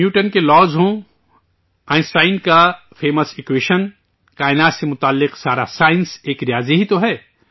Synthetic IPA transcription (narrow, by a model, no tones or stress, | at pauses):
mjuːʈənkelɔːzɦõ | ãːɪnsʈaːɪnɖka | fʰeːməsɪkweːʃən | kaːɪnaːt̪semʊt̪aːlːɪqsaːɾa̰saːɪ̃nseːkɾijaːziɦit̪oɦɛː